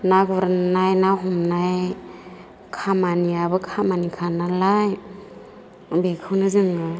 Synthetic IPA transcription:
naɡɔɾnajnaɦɔmnaj | kʰamaniabɯkʰamanikʰanalaj | bekʰɯwnɯzɯŋɯ

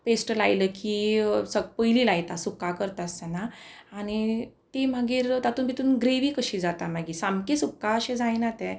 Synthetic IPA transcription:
pesʈlajləkisəɡpəjliːlajt̪asukakəɾt̪ast̪anaañi | t̪im̤aɡiːɾt̪at̪uːnbit̪uːnɡɾeʋiːkəɕiːd͡zat̪am̤aɡiːsamkesukːaəɕẽd͡zajnat̪ɛ̃

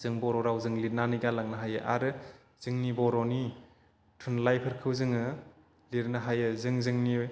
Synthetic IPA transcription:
zɯŋbɔɾɔɾawzɯŋliɾnaniɡalaŋnaɦajɯʔa̰ɾɯ | z̥ɯŋnibɔɾɔni | tʰunlajpʰɐɾkʰɯwzɯŋɯ | liɾnaɦajɯzɯŋzɯŋni

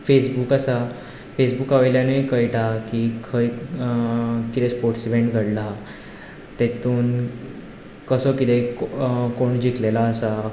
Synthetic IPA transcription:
fesbukasa | fesbukaʋejljanəikəjʈakikʰəj | kit̪espoɾʈsiʋeɳʈɡʱəɽla | t̪et̪uːn | kəsəkit̪e | koɳd͡ʑiklelaəsa

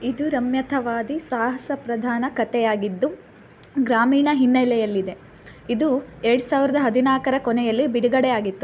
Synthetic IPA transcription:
id̪uɾɐmjɐt̪ʰɐʋaːd̪isaːɦɐsɐpɾɐd̪ʱaːnɐkɐt̪ɛjaːɡid̪ːu | ɡɾaːmiːɳɐɦinːɐjlɛjɐlːid̪e̞ | id̪ueɾɐɽusaːʋiɾɐd̪ɐɦɐd̪inaːkɐɾɐkɔnɛjɐlːibiɽuɡɐɽɛjaːɡit̪ːu

